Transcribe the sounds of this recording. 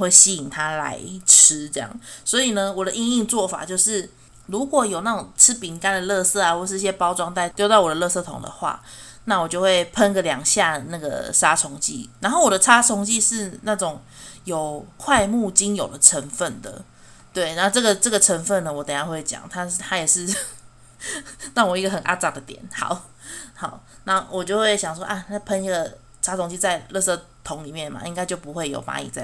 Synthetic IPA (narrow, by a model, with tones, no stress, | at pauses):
xwe˥˩ɪɕi˥i˨˩ŋt̪ʰa˦la̰˧˦˥ɪʈ͡ʂʰɻ̩˥ʈ͡ʂɤ˥˧jɑ̰˥˩ŋswɔ˧˦˥i˨˩nə˦wɔ˨˩d̪ə˦ʔi˥˧ŋi˥˧ŋt͡swɔ˥˩fa̰˨˩t͡ɕjo˥˧ʊʂɻ̩˥˩ | lu˧˥kwɔ˨˩jo˨˩ʊna˥˩ʈ͡ʂʊ˨˩ŋʈ͡ʂʰɻ̩˥pi˨˥ŋka˥nd̪ə˨lɤ˥˧sɤ˥˩a˨˩xwʂɻ̩˥˧i˧ɕjɛ˥pɑ˥ʊʈ͡ʂwɑ˥ŋt̪a˥˧ɪt̪jo˥˧t̪ɑ˥˩ʊwɔ˨˩də˦lɤ˥˧sɤ˥˩t̪ʰʊ̰˨˩ŋd̪ə̰˨˦xwa̰˥˩ | na˥˩wɔ˨˩t͡ɕjo˥˧ʊxwe˥˩ɪpʰə˥nɡə˨ljɑ˨˩ŋɕja˥˧na˥˩ɡə̰˩ʂa˥ʈ͡ʂʰʊ˧˥ŋt͡ɕḭ˥˩na˧˦nxo˥˩ʊwɔ˨˩d̪ə˩ʈ͡ʂʰa˥t͡sʰʊ˧˥ŋt͡ɕi˥˧ʂɻ̩˥˧na˥˩ʈ͡ʂʊ˨˩ŋ | jo˨˩ʊkʰwa˥˧ɪmu˥˩t͡ɕi˦˥njo˨˩ʊd̪ə˩ʈ͡ʂʰə˧˦˥nfə˥˩nd̪ə̰˩ | t̪we˥˩ɪna˥˧ʈ͡ʂɤ˥˩ɡə˩ʈ͡ʂə˥˩ɡə˩ʈ͡ʂʰə˧˦˥nfə˥˩nːə˩wɔ˨˩t̪ə˨˩ŋja˥xwe˥˩ɪt͡ɕjɑ̰˨˩˦ŋt̪ʰa˥t̪ʰa˥jɛ˨˩ʂɻ̩˥˧ | na˥˩ŋwɔ˨˩i˧˥ɡə˩xə˨˩nʔa̰˥ʈ͡ʂa˥˩d̪ə˩t̪jɛ̰˨˩˦nxɑ̰˨˩˦ʊ | hɑ˨˩˦ʊna˥˩wʔɔ˨t͡ɕjo˥˧ʊxwe˥˩ɪɕjɑ˨˩ŋʂ̬wɔ˥ʔa˥˩a˥˩pʰə˥ni˥˩ɡə˨˩ | ʂa˥t͡sʰʊ˧ŋt͡ɕi˥˧t͡sa˥˧ɪlɤ˥˧sɤ˥˩t̪ʰʊ˧˦ŋli˨˩mjɛ˥˩nma̰˨ʔḭ˥ŋka˥ɪt͡ɕjo˥˩ʊpu˧˦xwe˥˩ɪjo̰˨˩ʊpa̰˧˥ḭ˨˩t͡sa˥˩